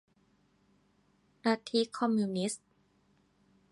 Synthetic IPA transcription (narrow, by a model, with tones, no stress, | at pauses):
ɾa˧t̪ʰi˧˥kʰɔ˧mːu˧ni˦˥st̪